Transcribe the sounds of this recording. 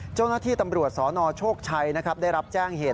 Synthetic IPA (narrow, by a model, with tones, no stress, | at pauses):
t͡ɕa˥˩wnaː˥t̪ʰiː˥˩t̪a˧mɾu˨˩ət̪̚sɔː˩˦nɔː˧t͡ɕʰoː˥˩k̚t͡ɕʰa˧jna˦˥kʰɾa˦˥p̚da˥˩jɾa˦˥p̚t͡ɕɛː˥˩ŋɦeː˨˩t̪̚